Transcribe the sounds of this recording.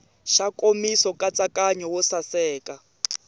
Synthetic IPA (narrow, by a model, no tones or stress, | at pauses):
ʃakʼomisɔkʼat͡sʼakʼaɲɔwɔsasɛːkʼa